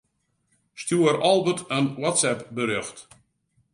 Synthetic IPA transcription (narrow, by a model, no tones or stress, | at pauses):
stjuəɾɔlˠʋətʰənwɔtsɛpbəɾøxt